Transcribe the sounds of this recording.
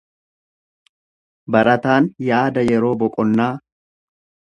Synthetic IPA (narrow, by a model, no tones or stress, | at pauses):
bɐɾɐt̪aːnjaːd̪ɐjɛɾo̞ːbɔkʼɔnːaː